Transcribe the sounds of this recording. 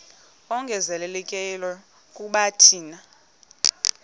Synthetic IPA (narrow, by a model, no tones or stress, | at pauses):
ɔŋɡʱɛzɛlɛlɛkʼɛlɛ | kʼuɓatʰiːna